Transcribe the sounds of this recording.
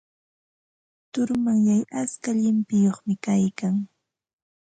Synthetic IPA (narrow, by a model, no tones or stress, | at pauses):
t̪ʊɾmaŋjajaskaʎɪmpɪjoχmɪkajkaŋ